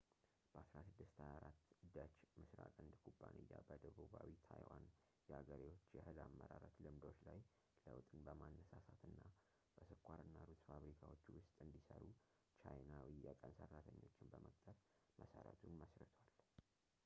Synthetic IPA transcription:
b̥əasɾasɨd̪ːɨst̪ʰajaɾat̪ːd̪ət͡ʃmɨsɾakʼɨnd̪kʰubːanɨjːabəd̪əβuβawit̪ʰajwan | jɛaɡəɾiwo̞t͡ʃːjɛhɨlamːəɾaɾət̪lɨmd̪o̞t͡ʃːlaj | ləwt̪ʼɨnbəmanːəsasat̪ʰɨnːa | b̥əsɨkʰʷʼːaɾɨnːalut̪ʼfaβɾikʰawo̞t͡ʃːwʊst̪ʼɨnd̪isəɾu | t͡ʃʰajnawijɛkʼənsərːat̪ʰəɲːo̞t͡ʃːɪnbəmək̚t̪ʼʰəfmʔəsəɾə̰t̪ʰunməsɾət̪ʰwal

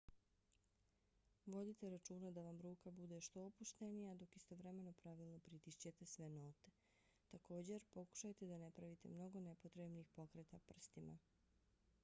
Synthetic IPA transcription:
ʋo̞d̪it̪eɾat͡ʃuːnad̪aʋamɾuːkabud̪e̞ʃt̪o̞ːpuʃt̪enijad̪o̞kist̪o̞ʋɾeme̞no̞pɾaʋilˠno̞pɾit̪iʃt͡ɕe̞t̪e̞sʋeno̞ːt̪e̞ | t̪ako̞ːd͡ʑe̞ɾpo̞ku̥ʃajt̪e̞d̪anepɾaʋit̪e̞̰mno̞ɡo̞nepot̪ɾebniːxpo̞kɾet̪apr̩st̪ima̰

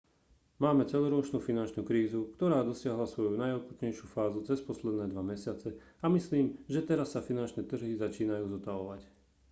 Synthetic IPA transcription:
maːmɛt͡sɛlɔɾɔɔt͡ʃnuːfinant͡ʃnuːkɾiːzukt̪ɔɾaːd̪ɔsɪaɦlasʋɔjunajɔkut̪ɲɛjʃjuːfaːzut͡sɛspɔslɛd̪nɛːd̪ʋamɛsɪat͡sɛ | amisliːmʒɛt̪ɛɾasːafinant͡ʃnɛːt̪r̩ɦizat͡ʃiːnajuːzɔt̪aʋɔʋac

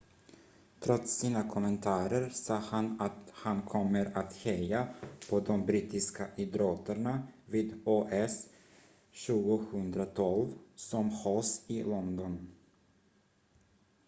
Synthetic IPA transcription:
t̪ʰɾɔt̪sːiːnakʰɔmɛnt̪ʰɑːɾəɾsɑːhanat̪hankʰɔmːəɾat̪hɛjapʰɔd̪ɔmbɾiːt̪ɪskaʔɪd̪ɾoːt̪əɳaviːd̪oːʔɛs | ɕʉ̟ːɡʊhɵnd̪ɾat̪ʰɔlvsɔmhɑːsɪlɔnd̪ɔn

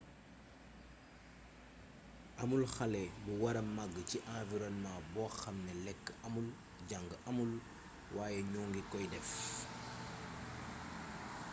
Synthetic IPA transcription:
ʔɐmulxɐlɛbuwɐɾɐmːaɡːciʔãːviɾɔnmãːbɔːxɐmnɛlɛkːɐmul | ɟaŋɡəʔɐmul | waːjɛɲuːŋɡikɔjdɛf

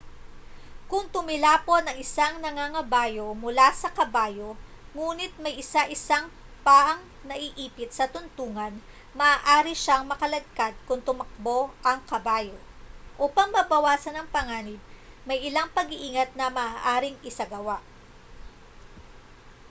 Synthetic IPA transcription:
kʊŋt̪ʊmɪlaːpo̞nɐŋɪsaŋnɐŋaŋɐbaːjo̞mʊlasɐkɐbaːjo̞ŋuːnɪt̪̚mɐjʔɪsaʔɪsaŋ | paːʔɐŋ | nɐʔɪʔiːpɪt̪sɐt̪ʊnt̪uːŋɐn | mɐʔaːʔaːɾiʃaŋmɐkɐlɐɡ̚kad̪̚kʊŋt̪ʊmɐk̚bo̞ʔɐŋkɐbaːjo | ʔopɐŋmɐbɐwaːsɐnɐŋpɐŋaːnɪb̚mɐjɪlaŋpɐɡɪʔiːŋɐt̪̚nɐmɐaːʔaːɾɪŋɪsɐɡɐwaʔ

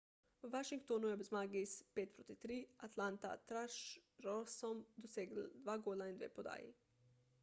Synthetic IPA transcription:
uʋaʃiŋkt̪onujebzmaːɡispeːt̪̚pɾoːt̪it̪ɾiːat̪lant̪a̰t̪ɾaʃɾosɔmd̪oseːɡl̩d̪ʋaːɡoːlaind̪ʋḛːpod̪a̰ːjḭ

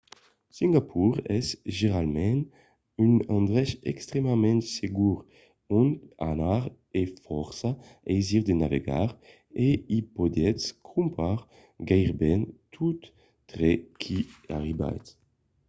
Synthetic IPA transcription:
sĩŋɡapʰuʁɛsʒeʁalmɛ̃n | ynãnd̪ʁɛʃɛkst̪ʁemamɛ̃nt̪seɡuʁ | ɔ̃ntanaʁ | efɔʁsaɛjziʁd̪enavḛɡa̰ʁ | eipɔd̪jɛt̪skʰũmpʰaʁ | ɡajʁbɛnt̪ʰut̪ː | ʁekʰia̰ʁiba̰jt̪

